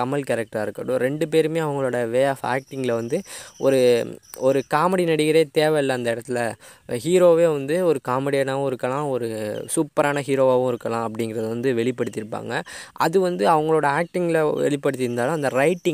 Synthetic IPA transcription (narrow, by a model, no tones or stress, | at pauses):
ɐmɐlkɐɾɛk̚ʈaːɪɾɯkːɐɽʊ̃ɾɛɳɖɯp̬eːɾɯmeːɐʋɐŋɡɐɭoːɽɐʋeːafa̰ːk̚ʈɪŋɡlɐʋɐnd̪ɯɔɾɯɔɾɯkaːmɛɽinɐɽɪɣɪɾeːt̪eːʋɛɪlːɐːnd̪ɐɪɽɐt̪ːɪlɐɦiːɾoːʋeːʋɐnd̪ɯɔɾɯkaːmɛɽijɐnaːʋʊ̃ɪɾɯkːɐlãːɔɾɯsupːɐɾaːnɐɦiːɾoːʋaːʋʊ̃ɪɾɯkːɐlãːɐpːɐɽɪŋɡɪɾɐðɯʋɐnd̪ɯʋɛɭɪpːɐɽɯt̪ːɪɾɯpːa̰ːŋɡɐʔɐ̰ðɯʋɐnd̪ɯɐʋɐŋɡɐɭoːɽɐaːk̚ʈɪŋɡɪlʋɛ̰ɭɪpːɐɽɯt̪ːɪɾɯnd̪aːlʊ̃ɐnd̪ɐɾɐɪʈːɪ̃ŋ